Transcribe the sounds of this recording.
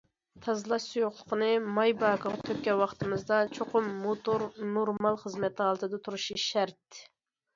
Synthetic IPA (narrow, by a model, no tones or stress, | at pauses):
t̪ʰɑzlˠɑʃsujoχlˠə̥qənɨmɑjbɑkʰəʁt̪ʰøkʲːɛwɑχt̪ɨmɨzd̪ɑt͡ʃʰoqʰʊmːot̪uɾnoɾmɑlˠχəzmɛt̪ləɑlˠt̪ʰɨd̪ɑt̪ʰuɾuʃiʃæɾt̪